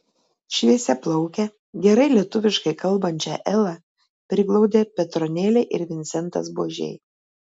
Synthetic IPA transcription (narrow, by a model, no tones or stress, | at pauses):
ʃʲʋʲiɛsʲɛplˠɐʊkʲɛ | ɡʲɛɾɐɪlʲiɛt̪ʊʋʲɪʃkɐɪkɐlˠbɐnʲt͡ʃʲɛːʔɛlˠɑ | pʲɾʲɪɡlˠɒʊd̪ʲeːpʲɛt̪ɾɔnʲeːlʲeʔɪɾʋʲɪnʲsʲɛnt̪ɐ̰sboːʒʲḛɪ